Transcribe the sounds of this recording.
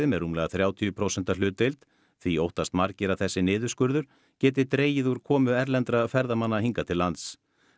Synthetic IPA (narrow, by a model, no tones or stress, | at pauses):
ɪmɛruːmlɛːɣaθɾjaːwt̪ʰiʏpʰɾoːwsɛn̥t̪alʏːt̪ejlt̪ | θviowht̪ast̪maɾcɪɾaθɛsːɪnɪːðʏ̥skʏɾðʏɾ̥ | cɛːt̪̬ɪt̪ɾeːjɪðuɾkʰɔːmʏɛɾlɛnt̪ɾafɛɾðamanːahiŋkat̪ʰɪlːant̪s